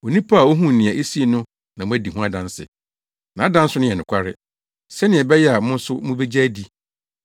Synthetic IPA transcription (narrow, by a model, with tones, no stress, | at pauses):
o˨nĩ˦pʰa˦a˨wo˦ɦũ˦˨nɪ̃˨ɛ˨ʔe˦si˦e˨nʊ̃˦ | nã˨mʊ̃˦æ˦di˨ɦũ˦a˦dã˦n˦sɪ̰˨ | nã˨a˦dã˦n̩˦sʊ˦nʊ̃˦jɛ˨nʊ̃˨kʷʰa˦ɾɪ̰˦ | sɛ˦nɪ̃˨ɛ˨bɛ˦jɛ˦a˨mʊ̃˦n˦sʊ˦mũ˦be˦d͡ʑa˦di˦